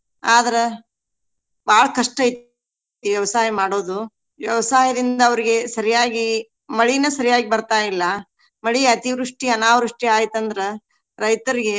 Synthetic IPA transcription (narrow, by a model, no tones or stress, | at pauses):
aːd̪ɐɾe | baːɭɐkɐʂʈɐjit̪ | ʋjɛʋɐsaːjɐmaːɽoːd̪u | ʋjɛʋɐsaːɦɐd̪ind̪ɐːʋɐɾiɡe̞sɐɾijaːɡi | mɐɭinɐsɐɾijaːɡibɐɾt̪aːjilːɐ | mɐɭiɐt̪iʋɾuʂʈiɐnaːʋɾuʂʈiaːjit̪ɐnd̪ɐɾe | ɾɐjt̪ɐɾiɡe̞